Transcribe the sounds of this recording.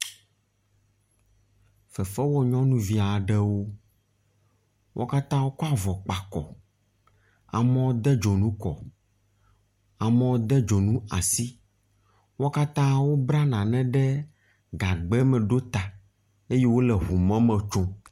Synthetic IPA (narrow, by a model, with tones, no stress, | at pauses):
fɛ˨fɛ˦wɔ˦ɲɔ̃˦nũ˦vi˦a˨ɖɛ˦wo˦ | wʔɔ̰˦ka˦t̪ã˦wo˦ko˦a˦vɔ˨k͡pa˨kɔ̰˨ | a̰˨mɛ̃˦wo˦d̪ɛ˦d͡ʒo˨nũ˦kɔ̰˨ | a˨mɛ̃˦wo˦d̪ɛ˦d͡ʒo˨nũ˦a̰˨si˦ | wɔ˦ka˦t̪ã˦wo˦bɾa˦nã˨nɛ̃˦ɖɛ˦ | ɡa˨ɡ͡bɛ˦mɛ̃˨ɖo˦t̪a˨ | e˦je˦wo˦lɛ˨ɦu˨mɛ̃˦mɛ̃˨t͡ʃo˦